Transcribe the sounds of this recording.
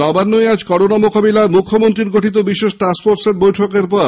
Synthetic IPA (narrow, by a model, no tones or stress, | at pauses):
nɔbanːojad͡ʑkɔɾonamokabilaɾmukʰːomont̪ɾiɾɡoʈʰit̪obiʃeʃʈaspoɾʈseɾbojʈʰokeɾpɔɾ